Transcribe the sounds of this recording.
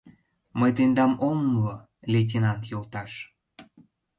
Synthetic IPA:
məjt̪end̪ɑmomlo | let̬ʲenɑnt̪jolt̪ɑʃ

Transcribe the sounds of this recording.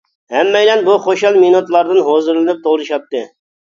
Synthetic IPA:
hɛmːɛjlɛnbuχoʃɑlˠminut̪lˠɑɾd̪ɨnɦozɨɾlˠɨnɨp̚t̪ʰolˠɾɨʃɑp̚t̪ːɨ

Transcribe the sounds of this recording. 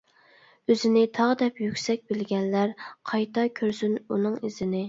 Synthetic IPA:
øzɪnɪt̪ʰɑʁd̪ɛpjykʲsɛk̚ʲbɪlɡʲɛnlæɾqʰɑjt̪ʰɑkʲʰøɾsynunɨŋizɪnɪ

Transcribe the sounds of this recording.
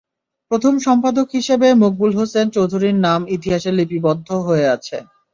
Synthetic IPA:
pɾot̪ʰomʃɔmpad̪okɦiʃebemuk̚bulɦosent͡ɕowd̪ʱuɾiɾnamit̪̬iɦaʃelipibɔd̪ʱːoɦoeat͡ɕʰḛ

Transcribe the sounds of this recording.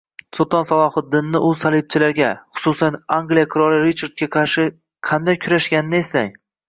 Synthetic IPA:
sot̪ʰɒnsalˠɒhɨt̪̚d̪ːɪnːɪʔʊsalˠɪb̚t͡ʃʰɪlaɾɡʲaχʊ̥sʊsanaŋɡlijakʰɨɾɒlɪɾit͡ʃʰaɾd̪̚kʲaqʰɑɾʃɪ | qʰɑnd̪ajkʲʰʊɾaʃɡʲanɪnɪeslaŋ

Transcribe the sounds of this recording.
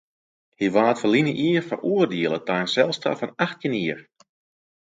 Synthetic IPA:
hiʋaːtfəlinəʔiərfə̰rʔuərdiəlˠətajnsɛlˠsta̰fɔnaxtiniːər

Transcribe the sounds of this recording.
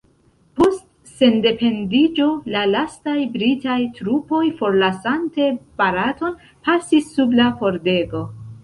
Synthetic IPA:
po̞st | se̞nde̞pe̞ndid͡ʒo̞lalastajbɾitajtɾupo̞jfo̞ɾlasante̞b̥aɾato̞n | pasisːublako̞ɾde̞ɡo̞

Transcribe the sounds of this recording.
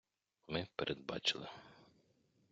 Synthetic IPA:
mɪpeɾʔed̪̚bɑ̰t͡ʃɪlˠɪ

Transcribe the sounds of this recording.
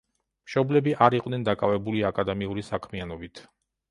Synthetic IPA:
mʃɔblɛbiʔaɾiqʼnɛnd̪akʼavɛbuliakʼad̪ɛmiuɾisakʰmianɔbit̪ʰ

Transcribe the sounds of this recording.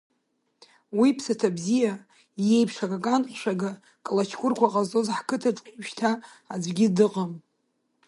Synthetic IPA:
wipʰsatʰabzija | je̞jpʰʂaɡakʼanqʷʃʷᶣaɡa | kʼalat͡ʃʰkʷʊrkʷʰaqʼazo̞zħkʰɨtʰaʈ͡ʂʼqʷʼʃtʰa | ad͡zʷɡʲɪdɨqʼam

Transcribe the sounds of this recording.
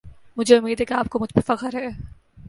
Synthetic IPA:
mʊd͡ʒʱeʊmːiːd̪ʱɦɛkeaːp̚komʊd͡ʒbefɐqəɾɦɛː

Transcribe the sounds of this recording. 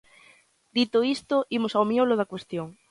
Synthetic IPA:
d̪it̪oist̪oimosawmjoloð̞akwest̪joŋ

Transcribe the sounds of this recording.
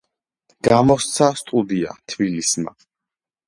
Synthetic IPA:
ɡ̥amɔst̪sʰast̪ʼud̪ia̰t̪ʰbilisma̰

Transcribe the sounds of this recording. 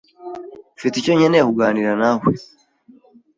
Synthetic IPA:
fiticoɲenekuɡaːniɾanahwi

